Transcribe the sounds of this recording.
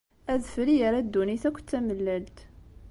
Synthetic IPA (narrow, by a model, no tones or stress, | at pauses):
æðfɾijəɾæd̪ːuniθækʷːt͡s̪ːæməlːælt̪